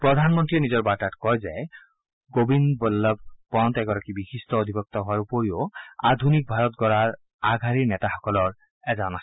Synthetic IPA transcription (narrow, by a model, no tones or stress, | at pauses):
pɹɔd̪ʱanmɔntɹiɛnizɔɹbaɹtatkɔjzɛ | ɡobinbɔlːɔb̚pɔntɛɡɔɹakibixistɔod̪ʱibɔk̚t̪ɔɦʊaɹupoɹioad̪ʱunik̚bʱaɹɔt̚ɡɔɹaɹ | aɡʱaɹinɛtaxɔ̥kɔlɔɹ | ɛzanas